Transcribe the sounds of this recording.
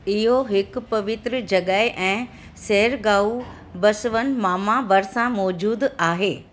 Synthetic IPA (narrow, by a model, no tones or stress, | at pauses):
ɪɦoɦɪkʊ̆pɐʋɪt̪ɾəd͡ʑɐɠaːɪʔɛ̃ː | seɦəɾɡaːu | bɐsʋənɪ̆maːmabɐɾsãmɔːd͡ʑuːd̪aːɦeː